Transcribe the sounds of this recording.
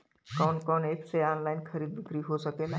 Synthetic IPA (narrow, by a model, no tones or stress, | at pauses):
kɔːnkɔːneːpʰseaːnlaːɪnkʰɐɾiːd̪̚bɪkɾiɦosəkelaː